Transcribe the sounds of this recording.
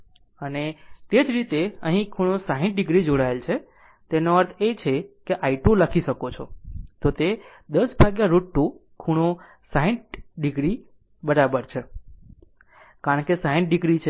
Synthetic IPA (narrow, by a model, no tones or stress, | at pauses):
ənet̪ed͡ʒɾit̪eəɦĩkʰuɽ̃õsaɦĩɳʈ̚ɖɪɡɾid͡ʒoɽaelt͡ʃʰe | t̪enoəɾt̪ʰet͡ʃʰekeʔaiʈuləkʰiʃəkot͡ʃʰot̪ot̪e | d̪əsbʱaɡjaɾoʈːukʰuɽ̃o | saɦĩɳʈɖɪɡɾi | bəɾabəɾt͡ʃʰe | kaɾəɳkesaɦĩɳʈ̚ɖɪɡɾit͡ʃʰe